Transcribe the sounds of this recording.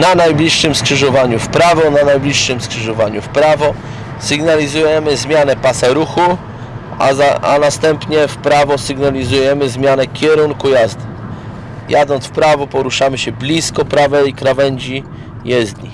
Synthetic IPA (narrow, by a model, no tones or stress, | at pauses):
nanajblʲiʂːɘmskʂɘʐɔvaɲufpɾavɔnanajblʲiʂːɘmskʂɘʐɔvaɲufpɾavɔ | sɘɡnalʲizujɛmɘzmʲjanɛpasɛɾuxu | aa̰nast̪ɛmpɲɛfpɾavɔsɘɡnalʲizujɛmɘzmʲjanɛkʲɛɾuŋkujazd̪ | jad̪ɔnsfpɾavɔpɔɾuʂamɘɕɛblʲiskɔpɾavɛikɾavɛɲd͡ʑi | jɛzd̪ɲḭ